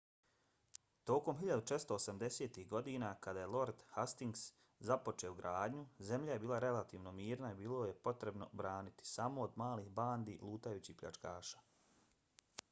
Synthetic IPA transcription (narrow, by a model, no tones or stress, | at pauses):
t̪o̞ːko̞mxiʎad̪ut͡ʃe̞t̪st̪o̞ːsamd̪e̞seːt̪ihɡo̞d̪iːnakad̪aje̞lˠo̞ɾd̪hast̪iŋɡs | zapo̞t͡ʃeoɡɾaːd̪ɲuze̞mʎaje̞biːlˠaɾe̞lat̪iːʋno̞miːɾnaibiːloje̞po̞t̪ɾe̞bno̞̰bɾaːnit̪i̥samo̞ːd̪maːliːxbaːnd̪iːlˠuːt̪ajuːt͡ɕihpʎʲa̰t͡ʂkaːʃḁː